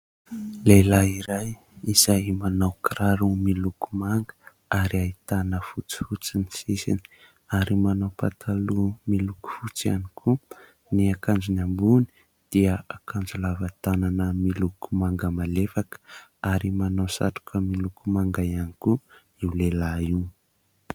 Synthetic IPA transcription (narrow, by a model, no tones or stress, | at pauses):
lelaiɾaj | iz̥ajmanawkɾaɾumiluku̥maŋɡə | aɾiait̪anəfut͡si̥fut͡sinisisḭni̥ | aɾimanawpa̰t̪ʰalumiluku̥fut͡sia̰nikʰu | niakand͡zunambuni̥ | d̪̥iəakand͡zulavat̪ananəmilukumaŋɡəmalefakə̥aɾimanawsa̰ʈ͡ʂu̥kʰəmilukumaŋɡajaniku | iwlelaiw